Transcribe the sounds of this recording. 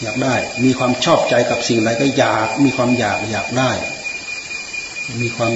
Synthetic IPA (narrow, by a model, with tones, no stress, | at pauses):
jaː˨˩k̚daː˥˩jmiː˧kʰwaː˧mt͡ɕʰɔː˥˩p̚t͡ɕa˧jka˨˩p̚si˨˩ŋɾa˨˧˦jkɔː˥˩jaː˨˩k̚miː˧kʰwaː˧mjaː˨˩k̚jaː˨˩k̚daː˥˩j | miː˧kʰwaː˧m